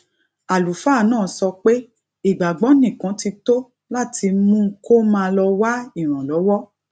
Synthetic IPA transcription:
a˨lu˨fa˦˨nãː˦˨˦sɔ˧k͡pe˦ | i˨ɡ͡ba˨ɡ͡bɔ̃˨˦nĩ˦˨kã˨˦ti˧to˦ | la˦˨ti˧mũ˦ko˦mãː˦˧lɔ˧wa˦i˦˨ɾ̃ã˨lɔ˨˦wɔ˦

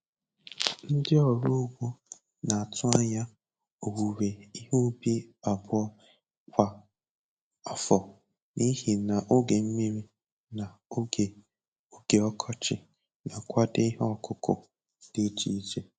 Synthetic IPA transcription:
n̩˦dɪ˦ɔ˨ɾu˦ʊ˦ɡʷo˦ | na˨a˨tʊ˦a˦ɲa˦ | o˨wu˨ɾe˨i˦ɦu˦bi˦a˨bʊ˦ɔ˦ | kʷa˦ | ɔ˦fɔ˨ | ni˦ɦi˨na˨ʔo˦ɡe˨m̩˦mi˦ɾi˦ | na˨o˦ɡe˨ | o˦ɡe˨ɔ˦kʰɔ˦t͡ʃɪ̰˨ | na˨kʷa˦de˦i˦ɦɔ˦˨kʊ˦kʊ̰˨ | d̥e˦t͡ʃi˨˦d͡ʒe˨

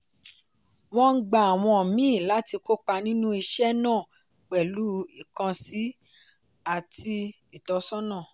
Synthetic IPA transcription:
w̃ɔ̃˦ŋ̩˦ɡ͡ba˨a˨w̃ɔ̃˧ɔ˨mĩ˦˨la˨˦ti˧ko˦k͡pa˧nĩ˦nũ˦i˧ʃɛ˦nãː˦˨ | k͡pɛ˨lu˨˦i˦˨kã˧si˨˦ | a˨ti˧i˨tɔ˨˧sɔ˦nãː˦˨

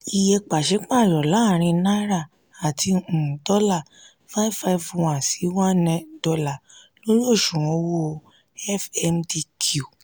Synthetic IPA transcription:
i˨jɛ˧k͡pa˨ʃe˨˦k͡pa˦˨ɾɔ˨la˨˦˨ɾ̃ĩ˧na˦ɾa˦˨ | a˨tĩ˧˨dɔ˦la˦˨ | fa˦fa˧˦vwã˨si˨˦wã˦nɛ̃˧˦dɔ˧la˨lo˦lo˦˨ʃũ˨ɔ̃˨˧˦wo˦˧ | ɛ˦fɛ˧mdi˧kʰu˦˨

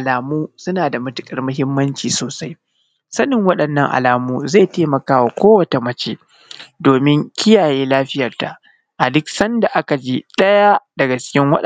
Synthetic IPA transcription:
ʔa˨laː˨muː˦sʊ˦naː˨da˨mʊ˦tʊ̥˨kʼɐ˨rmʊ˦ɦɪ˦mːɐ˦nt͡ʃiː˨soː˨sa˦j | sɐ˦nɪ˨ŋwɐ˦ɗɐ˨nːɐ˦˨ŋʔa̰˨laː˨muː˦za˦˨teː˦mɐ˨kaː˦wa˨kʷoː˦wɐ˨ta˨mɐ˦t͡ʃe˦ | doː˨mɪ˦ŋkʲɪ˦jaː˨jeː˦laː˦ɸɪ˦jɐ˨rta˨ | ʔa˨dʊ˦ksɐ˦nda˨ʔa˦ka˨d͡ʒi˦ɗɐ˦ja˦dɐ˨ɡa˨t͡ʃɪ̥˦kʲɪ˦ŋwɐ̰˦ɗ

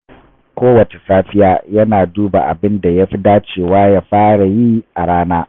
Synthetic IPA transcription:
kʷoː˦wɐ˨t͡ʃe̥˨saː˦ɸɪ˦jaː˦jɐ˦naː˨duː˦ba̰˨ʔa̰˨bɪ˦nda˨ja˦ɸi˦daː˦t͡ʃeː˦˨waː˦jaː˦ɸaː˦ɽa˨ji˦ʔa˨ɽaː˦naː˦

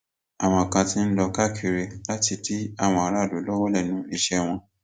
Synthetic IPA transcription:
a˨w̃ɔ̃˧˨kã˧tĩ˦n̩˦lɔ˧ka˦kʰi˧ɾe˧la˦ti˧ti˦a˦˨w̃ɔ̃˧a˧ɾa˦˨do˨˦lɔ˦wɔ˦lɛ˦˨nũ˨˦i˦˨ʃɛ˧w̃ɔ̃˧

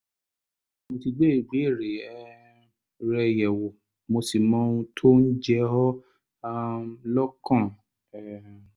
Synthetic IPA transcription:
mo˧ti˧ɡ͡be˦i˦˨ɡ͡bi˨˦i˦˨ɾe˨ɛ˦˧ | ɾɛ˧jɛ˨wo˨ | mo˧si˨mɔ̃ː˦ũ˧tʰo˦n̩˦d͡ʒɛ˦hɔ˦˧ | lɔ˦kã˦˨

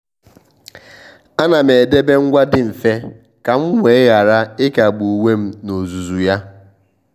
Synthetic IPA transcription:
a˦na˨m̩e˨e˨de˦be˦ŋ̩˦ɡʷa˦dɪ˦n̩˨fe˦ | ka˨m̩˦ŋʷe˦ɣa˨ɾa˦ɪ˦ka˨ɡ͡bu˨we˦m̩˦no˨zu˨zu˨ja˦

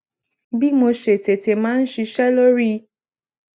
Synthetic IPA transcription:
bi˦mo˧ʃe˨te˨te˨mãː˦n̩˦ʃi˧ʃɛ˦lo˦ɾi˦

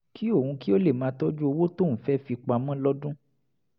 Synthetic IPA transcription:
ki˦o˦˨ũ˧ki˦o˦le˦˨mãː˨˦tɔ˦d͡ʒu˦o˧wo˦to˦˨ñ̩˨fɛ˦fi˧k͡pa˧mɔ̃˦lɔ˦dũ˦

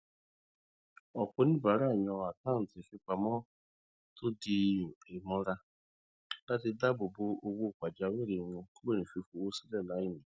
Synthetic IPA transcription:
ɔ˨kʷʊ˦nɪ̃˦ba˨ɾa˦˨ɲɔ˧˦a˨ta˦˨n̩˨tɪ˨fi˦kʷa˨mɔ˦ | to˦di˨e˨mɔ˦ɾa˦ | da˦tɪ˦da˦bʊ˨bʊ˧o˦wo˦˨kʷa˨d͡ʒa˨we˦˨ɾi˨ŋʷo˧ko˦e˦ni˨fi˧fu˨o˦si˦lɛ˦˨la˨˦i˦ni˨

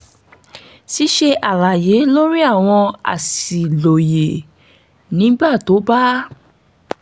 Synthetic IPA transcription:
si˨˦ʃe˧ʔa˨la˨je˨˦lo˦ɾi˦a˦˨w̃ɔ̃˧a̰˨si˨lo˨je˨ | nĩ˨˦ba˦˨to˨˦ba˦

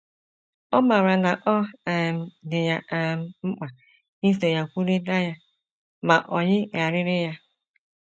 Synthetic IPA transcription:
ɔ˦ma˨ɾa˨na˨ʔɔ˦˨m̩˦dɪ˨ja˦˨m̩˦ŋ͡m̩˦k͡pa˨ | i˦te˨ja˨kʷu˦ɾi˦da˦ja˦ | ma˨ʔɔ˨ɲɪ˦ŋa˨ɾɪ˦ɾɪ˦ja˦

